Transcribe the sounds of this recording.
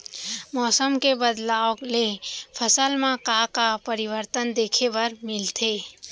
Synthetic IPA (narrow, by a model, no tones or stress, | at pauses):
mɔːsəmkebəd̪laːoklepʰəsəlmãkakapəɾɪʋəɾt̪ənd̪eːkʰebɐɾmɪlt̪ʰeː